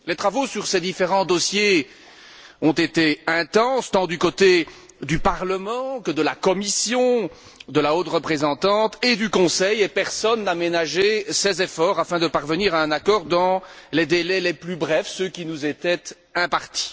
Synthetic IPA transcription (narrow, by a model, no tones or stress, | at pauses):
let̪χavosyʁsɛd̪ifeʁɑ̃d̪ɔsje | ɔ̃t̪et̪eɛ̃t̪ɑ̃st̪ɑ̃d̪ykot̪e | d̪ypaʁləmɑ̃kəd̪əlakɔmisjɔ̃ | d̪əlaot̪ʁəpχezɑ̃t̪ɑ̃t̪ed̪ykɔ̃sɛjepɛʁsɔnːamenaʒesɛzefɔʁafɛ̃d̪əpaʁvəniʁaɛ̃nakɔʁd̪ɑ̃led̪elɛlɛplybʁɛfsøkʲinuzet̪ɛt̪ | ɛ̃paʁt̪i̥